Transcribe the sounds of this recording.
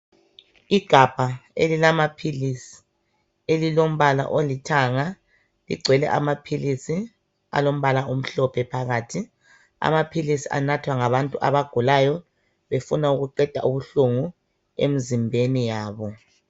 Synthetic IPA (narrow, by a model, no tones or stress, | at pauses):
iɡ̥ʱab̥ʱaelilamapʰilisi̥ | elilom̩βala̰ʔolitʰaŋa | lḭɡ͡ǀʱwɛlɛ̰ʔa̰mapʰilisi | a̰lom̩βalaum̩ɬɔpʰɛpʰaɣaːtʰi | a̰mapʰilisiʔa̰natʰwaŋaβantʼuʔa̰βaɡ̥ʱulajɔ | βefunauɣuǃɛd̥ʱa̰ʔuβuɬuŋu | ḛmizimbʱenijaːβɔ